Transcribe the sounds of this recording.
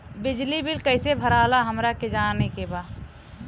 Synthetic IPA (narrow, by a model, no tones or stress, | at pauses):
bɪd͡ʒlibɪlkəɪsebʱəɾaːlaɦəmɾaked͡ʒaːnĩkebaː